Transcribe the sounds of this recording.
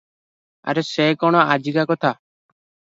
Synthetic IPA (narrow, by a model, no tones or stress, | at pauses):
a̰ɾesekɔɽ̃ɔad͡ʒiɡakɔt̪ʰa